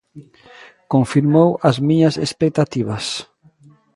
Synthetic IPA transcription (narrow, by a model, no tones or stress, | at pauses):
koɱfiɾmowɐzmiɲɐsespek̚t̪at̪iβɐs